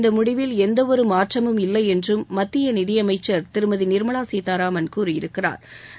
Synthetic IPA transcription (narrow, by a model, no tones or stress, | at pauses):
nd̪ɐmʊɽɪʋɪlɛnd̪ɐʋɔɾɯmaːʈrɐmɯmɪlːɐɪɛndrɯmːɐt̪ːɪjɐnɪðɪjɐmɐɪt͡ʃːɐɾt̪ɪɾɯmɐðinɪɾmɐɭaːsiːt̪aːɾaːmɐnkuːɾɯɪ̰ɾɯkːɪra̰ːɾ